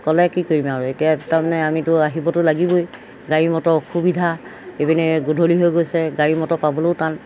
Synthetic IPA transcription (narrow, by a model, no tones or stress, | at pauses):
kɔlɛkikoɹimaɹuetijataɹmanɛamitʊaɦibɔtʊlaɡiboj | ɡaɹimɔtɔxubidʱaebinɛɡudʱoliɦojɡojsɛɡaɹimɔtɔpabɔloʊtan